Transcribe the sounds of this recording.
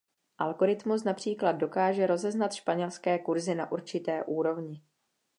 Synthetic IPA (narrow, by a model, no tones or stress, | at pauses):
ʔalɡo̞ɾɪt̪mus̬napr̝̥iːklad̪̚do̞kaːʒɛɾo̞zɛznat̪ʃpaɲɛlskɛːkuɾzɪna̰ʔuɾt͡ʃɪt̪ɛːʔuːɾo̞vɲɪ